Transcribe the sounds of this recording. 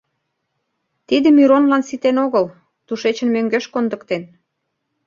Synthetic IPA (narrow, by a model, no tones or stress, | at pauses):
t̪id̪ə̆miɾonlɑnsit̪enoɣəl | t̪uʃet͡ɕə̆nmøŋɡøʃkond̪ə̆kt̪en